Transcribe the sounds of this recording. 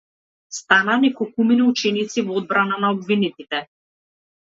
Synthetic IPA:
st̪anaːnɛkɔkuminiut͡ʃɛnit̪sivɔod̪̚bɾananaɔbvinit̪it̪ɛ

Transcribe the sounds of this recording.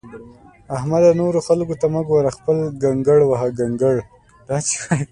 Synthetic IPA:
ahmad̪anoɾoxalkot̪aməɡwaɾaxpəlɡaŋɡəɽwaɦaɡaŋɡəɽ | d̪̥ɑːt͡ʃi̥xaj

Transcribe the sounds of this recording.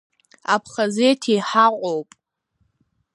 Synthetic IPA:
apʰχazejtʰiħaqʷʼowpʼ

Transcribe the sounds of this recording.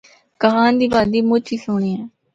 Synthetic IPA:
kəɦaːnd̪iːbaːd̪iːmʊt͡ʃʰiːsʊɳ̃iːɛː

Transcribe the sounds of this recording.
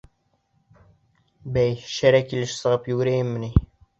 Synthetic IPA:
bæjʃæɾækilɘʃsɤ̆ʁɤpjʉɡɘ̆ɾæjɘmːɘ̆ni

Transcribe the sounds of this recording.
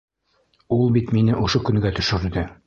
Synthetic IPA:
ulˠbit̪minɘʔoʃokɵ̆ŋɡæt̪ɵ̆ʃɘ̆ɾd̪ɘ

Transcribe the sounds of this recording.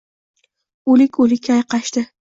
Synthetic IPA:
olɪkʲʰolɪkʲʰːajqɑʃt̪ɪ

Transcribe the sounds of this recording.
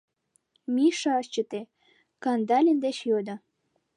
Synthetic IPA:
miʃɑɤʃt͡ɕə̆t̪e | kɑnd̪ɑlʲənd̪et͡ɕjod̪ɤ̆

